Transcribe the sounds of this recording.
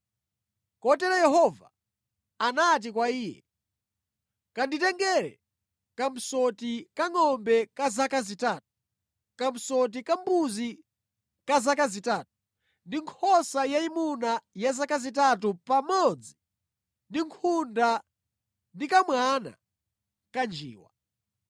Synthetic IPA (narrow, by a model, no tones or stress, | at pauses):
kɔtɛɾajɛɦɔva̰ː | nat̬ikwaiːjɛ̰ | kanditɛŋɡɛɾɛ̰ | kam̩sɔtikaŋɔmbɛkazakazitaːtu̥ | kam̩sɔt̬ikambuzi | kazakazitaːt̚u̥ | ndiŋkʰɔsajaimunajazakazitat̬upamɔd͡zi | ndiŋkʰunda | ndikamwana̰ | kand͡ʒḭːwa̰